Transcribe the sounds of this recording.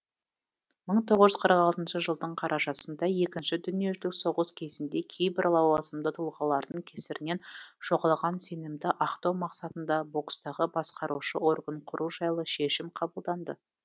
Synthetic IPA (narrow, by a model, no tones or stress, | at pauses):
məɴt̪ʰo̞ʁəʒʏzqʰəɾəqɑlˠt̪ənʃəʒəlˠd̪əɴqʰɑɾʔɑʒɑsənd̪ɑje̞kʲɪnʃɪd̪ʏnije̞ʒɪlɪkso̞ʁəskʲʰe̞zɪnd̪e̞kʲʰejbɪɾlˠɑwɑsəmd̪ət̪ʰulˠʁɑlˠɑɾd̪əɴkʲʰesɪɾɪne̞nʒ̥o̞ʁɑlˠʁɑnse̞nɪmd̪ɪʔɑqt̪ɑwmɑqsɑt̪ənd̪ɑbo̞kst̪ɑʁəbɑsqɑɾuʃəo̞rɡəɴqʰʊɾuʒɑjlˠəʃe̞ʃɪmqʰɑbəlˠd̪ɑnd̪ə